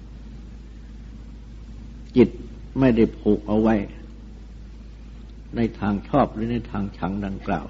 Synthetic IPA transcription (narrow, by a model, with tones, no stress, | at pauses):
t͡ɕi˨˩t̪̚ | ma˥˩jda˥˩jpʰoː˨˩k̚ʔa˧wːa˦˥j | na˧jt̪ʰaː˧ŋt͡ɕʰɔː˥˩p̚ɾɯː˦˥na˧jt̪ʰaː˧ŋt͡ɕʰa˩˦˥ŋda˧ŋkla̰ː˨˩w